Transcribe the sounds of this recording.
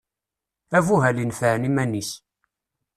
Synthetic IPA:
ævuɦælinfəʕnimænːis

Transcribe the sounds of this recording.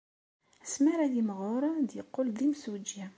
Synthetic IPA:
æsmiɾæjimʁʊɾˤd̪jəqːold̪imsud͡ʒæ

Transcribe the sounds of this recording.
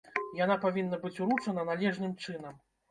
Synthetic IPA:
janapavʲinːɐbɨt͡sʲuɾut͡ʂɐnɐnalʲɛʐnɨmt͡ʂɨnɐm

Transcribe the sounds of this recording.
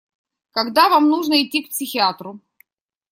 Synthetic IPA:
kɐɡd̪avamnuʐnəɪtʲːikpsʲɪxʲɪat̪ɾʊ

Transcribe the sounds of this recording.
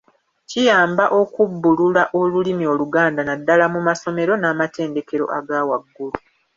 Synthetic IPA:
cijaːmbaʔo̞kubːululaʔo̞lulimio̞ːluɡaːndanadːalamumaso̞me̞ɾo̞naːmate̞ːnde̞ke̞ɾo̞̰ʔaɡaːwaɡːulu

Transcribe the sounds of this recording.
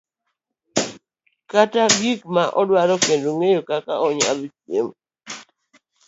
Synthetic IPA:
kataɡikmaʔɔdwaɾɔkendoŋejokaka̰ɔɲa̰litjḛm

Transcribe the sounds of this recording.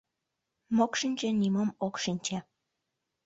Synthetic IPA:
mokʃinʲt͡ɕĕniməmokʃinʲt͡ɕa

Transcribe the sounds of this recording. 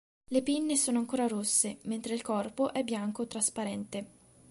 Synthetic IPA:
lepinːesoːnoaŋkoːɾaɾosːement̪ɾeilkɔrpoʔɛbːjaŋkoet̪ːɾaspaɾɛnt̪e

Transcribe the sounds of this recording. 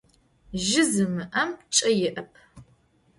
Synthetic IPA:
ʒɪzɨmɨʔɐmt͡ʃʼɐjɪʔɐpʰ

